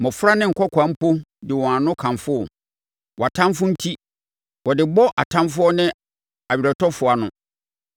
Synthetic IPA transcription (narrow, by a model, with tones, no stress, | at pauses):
mɔ̃˨fʊ˦ɾa˦nɪ̃˦ŋ̩˨kʰɔ˦kʷʰã˨˦m̩˦pʰo˦dɪ˨wɔ̃˨a˨nʊ̃˦kʰã˨mfʊ˦ɔ˨ | wɔ˨a˨tʰã˦mfʊ̃˦n̩˦tʰi˦ | wɔ˨dɪ˨bɔ˦ʔa˨tʰã˦mfʊ˦ɔ˦nɪ̃˦ | a˨ɥi˨ɾa˨tʰɔ˦fʊ˨a˨nʊ̃˨